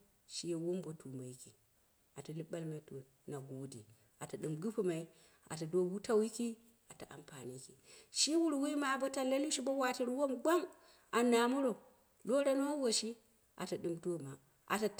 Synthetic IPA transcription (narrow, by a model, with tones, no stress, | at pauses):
ʃi˦je˨wo˦mbo˨tu˨ma˨i˦ki˨ | a˨ta˨li˦ba˦lma˨˦to˨ | na˨ɡo˨dḭ˨ | a˨ta˨ɗɨ˨mɡu˦pu˦ma˨i˦ | a̰˨ta˨do˦wu˦ta˦wji˦ki˦ | a˨ta˨ʔa̰˨mpa˨ni˦ki˨ʃi˦wu˦ɾwi˦ma˨bo˦ta˨la˦li˦ʃi˦bo˦wa˨ti˦ɾwo˦mɡa˦ŋ | a˨na˨mu˦ɾo˨ | lo˦ɾa˦n˦wo˦wo˨ʃi˦ | ʔa̰˨ta˨ɗɨ˨mdo˦˨ma˨ | ʔa̰˨ta˨